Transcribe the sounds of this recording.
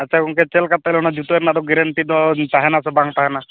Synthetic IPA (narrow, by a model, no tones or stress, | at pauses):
at͡ʃʰakɔŋket͡ʃelkat̪ːajlnad͡ʒut̪ueɾnad̪ɔɡɛɾent̪id̪ɔt̪aɦɛnasɔbaŋt̪aɦɛna